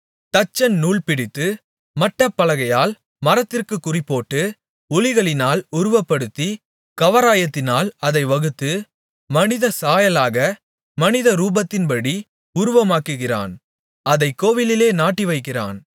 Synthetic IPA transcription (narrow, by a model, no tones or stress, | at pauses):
t̪ɐt͡ʃːɐnnuːɭpɪɽɪt̪ːɯ | mɐʈːɐpːɐlɐɣɐjaːl | mɐɾɐt̪ːɪrkɯkːʊrɪpːoːʈːɯ | ʊlɪɣɐɭɪnaːlʊɾʊʋɐpːɐɽɯt̪ːi | kɐʋɐɾaːjɐt̪ːɪnaːlɐðɐɪʋɐɣɯt̪ːɯ | mɐnɪðɐsaːjɐlaːɣɐ | mɐnɪðɐɾuːbɐt̪ːɪnpɐɽi | ʊɾʊʋɐmaːkɯɣɪra̰ːn | ɐðɐɪkːoːʋɪlɪleːnaːʈːiʋɐɪkːɪra̰ːn